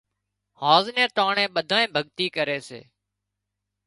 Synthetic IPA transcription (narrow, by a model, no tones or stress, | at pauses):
haːznẽːt̪aːɳẽːɓəd̪ʱaːẽːbʱəɠt̪iːkəɾeːsḛː